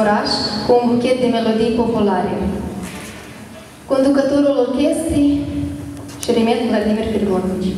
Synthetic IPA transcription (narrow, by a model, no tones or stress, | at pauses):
ɾaʃkuːnbukʲet̪̚d̪e̞me̞lo̞d̪ijpo̞pulaɾḛ | ko̞nd̪ukət̪oɾulolkʲest̪ij | ʃiɾemetd̪ɡlad̪iverʲfirɡonit͡ʃ